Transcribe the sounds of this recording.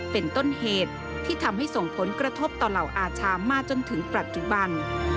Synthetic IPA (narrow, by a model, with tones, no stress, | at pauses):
pe˧nt̪o˥˩nheː˨˩t̪̚ʰːiː˥˩t̪ʰa˧mha˥˩jso˨˩ŋpʰo˩˦nkɾa˧t̪ʰo˦˥p̚t̪ɔː˨˩la˨˩wʔaː˧t͡ɕʰaː˧maː˧˥k̚t͡ɕo˧nt̪ʰɯ˩˦ŋpɾa˨˩t̪̚t͡ɕu˨˩ba˧n